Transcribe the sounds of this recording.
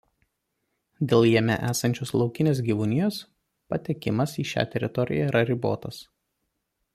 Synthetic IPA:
d̪ʲeːlˠjiɛmʲɛ̰ʔæːsɐnʲt͡ʃʲoːslˠɒʊkʲɪnʲeːsɡʲiːʋʊnʲɪjoːs | pɐt̪ʲɛkʲɪmɐsiːʃʲæ̰ːt̪ʲɛɾʲɪt̪ɔɾʲɪ̰jæiɾɐɾʲɪbo̰ːt̪ɐs

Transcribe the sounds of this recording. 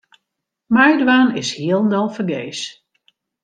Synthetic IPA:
majdwaːnɪshiəlˠndɔlˠfərɡeːs

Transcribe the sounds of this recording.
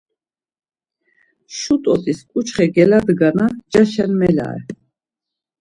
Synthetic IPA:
ʃut̪ʼɔt̪ʼiskʼut͡ʃχɛɡɛlad̪ɡanad͡ʒaʃɛnmɛla̰ɛ̰

